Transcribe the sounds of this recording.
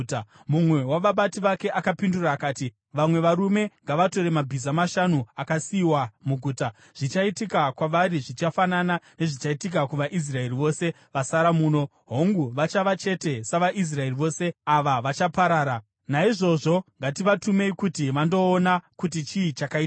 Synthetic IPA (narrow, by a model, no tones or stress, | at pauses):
mumwe̞waʋaɓatiʋake̞ʔakapinduraːkaːti | ʋamwe̞ʋaɾume̞ŋɡaʋato̞ɾe̞mabʱizamaʃanuakasiwamuɡʱuːta | ʐ̥it͡ʃaitikakwaʋaɾiʐit͡ʃafananane̞ʐit͡ʃaitik̬akuʋaʔis̬rae̞riʋo̞se̞ | ʋasaɾamuːno̞ | ɦo̞ŋɡuʋat͡ʃaʋat͡ʃe̞te̞saʋaʔis̬rae̞riʋo̞ːse̞aʋaʋat͡ʃapaɾaːɾa | naiʐo̞ʐo̞ŋɡatiʋatume̞ikutiʋando̞ːnakut̬it͡ʃiːt͡ʃakaita